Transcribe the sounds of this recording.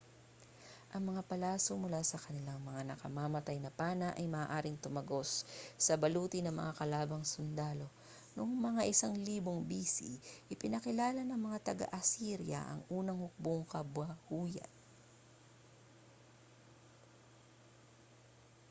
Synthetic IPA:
ʔɐŋmɐŋapɐlaːsomʊlaːsɐkɐnɪlaŋmɐŋanɐkɐmaːmɐt̪ajnɐpaːnɐʔɐjmɐːʔaːɾɪŋt̪ʊmɐɡo̞sːɐbɐluːt̪ɪnɐŋmɐ̰ŋakɐlaːbɐŋsʊnd̪aːlo̞ | nʊŋmɐŋaʔɪsaŋliːboŋbiːsḭʔɪpɪnɐkɪlaːlɐnɐŋmɐŋat̪ɐɡa̰ʔɐsiɾjɐ̰ʔɐ̰ŋʔuːnɐŋhʊk̚boŋkɐbwɐhuːjɐ̰n

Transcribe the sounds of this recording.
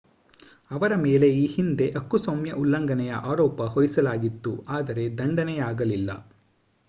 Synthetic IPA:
ɐʋɐɾɐme̞ːle̞iːhind̪e̞ʔɐkːusomjɐʔulːɐŋɡɐnɛjɐ̰ʔaːɾɔːpɐɦoɾisɐlaːɡit̪ːuaːd̪ɐɾe̞d̪ɐɳɖɐnɛjaːɡɐlilːɐ̰

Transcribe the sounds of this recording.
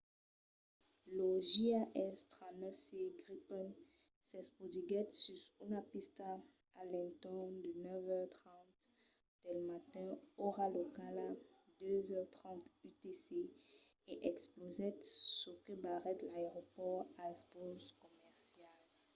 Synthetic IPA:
loʒiaʔɛst̪ʁanɛseɡʁipɔn | sɛspod̪iɡɛt̪sysunapist̪aː | lɛ̃nt̪ɔ̃nd̪ənœvœʁt̪χɑ̃t̪ | d̪̥ɛlmat̪ɛ̃oʁalokala | d̪øzœʁt̪χɑ̃t̪yt̪ese | eʔɛksplozɛt̪sukəbaʁɛt̪laeʁopɔʁasbɔskɔmɛʁsjal

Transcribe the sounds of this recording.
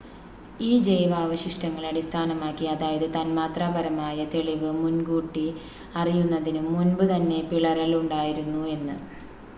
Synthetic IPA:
iːd͡ʑe̞jʋaːʋɐɕiʂʈɐŋːɐɭɐɽist̪ʰaːnɐmaːkːiɐðaːjɐðɨt̪aːnmaːt̪raːbɐɾɐmaːjɐt̪e̞ɭiʋɨmunɡuːʈːi | ɐrijunːɐðinuːunbɨt̪ɐnːe̞piɭɐɾɐluɳɖaːjiɾunːue̞nːɨ̰

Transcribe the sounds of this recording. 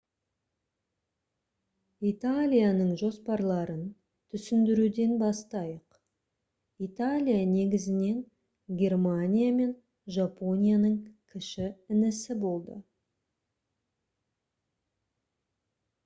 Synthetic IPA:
it̪alʲijanəɴʒo̞spɑɾlˠɑɾən | t̪ʰʏsɪnd̪ɪɾud̪e̞nbɑst̪ɑjəq | it̪alʲijane̞ɡʲɪzɪne̞n | ɡʲe̞rmanʲijame̞n | ʒapo̞nʲijanəɴkʲʰɪʃɪɪnɪsɪbo̞lˠd̪ə̰

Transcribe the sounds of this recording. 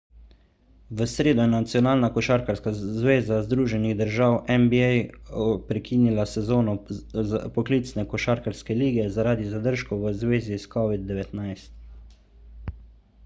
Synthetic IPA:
ʋəsɾeːd̪ɔjɛnat̪sijɔnaːlnakɔʃaɾkaɾskazʋeːzazd̪ɾuːʒɛniɣd̪əɾʒaːwʔɛmbiɛjpɾɛkʰiːnilasɛzoːnɔ | pɔkliːt̪snɛkɔʃaːɾkaɾskɛliːɡɛzaɾaːd̪izad̪əɾʃkɔʋəzʋeːziskɔʋid̪̚ːɛʋɛt̪najst̪

